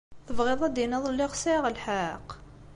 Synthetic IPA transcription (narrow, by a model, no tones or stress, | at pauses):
θəvʁɪðˤɑd̪inəðˤlːɪʁsiʁəlħaq